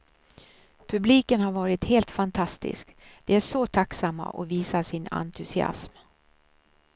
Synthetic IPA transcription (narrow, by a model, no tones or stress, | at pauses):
pʰɵbliːkənhaɾvɑːɾɪt̪heːlt̪fant̪ʰast̪ɪ̰skd̪̥ɛæʂɔt̪ʰaksamːa̰ʔɔviːsaʂɪna̰nt̪ʰɵsɪa̰sm